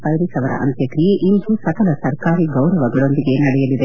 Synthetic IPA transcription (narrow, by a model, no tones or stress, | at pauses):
pɐlɾisɐʋɐɾɐ̰ʔɐ̰nt̪jɐkɾijeʔind̪usɐkɐlɐsɐɾkaːɾiɡɐwɾɐʋɐɡɐɭo̞nd̪iɡe̞nɐɽɛjɐlid̪e